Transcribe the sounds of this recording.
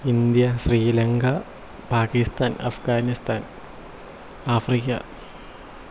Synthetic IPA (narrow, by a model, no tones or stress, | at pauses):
ind̪jɐɕriːlɐŋɡɐ | paːkist̪ʰaːnɐ̰fɡaːnist̪ʰaːn | aːfrikɐ̰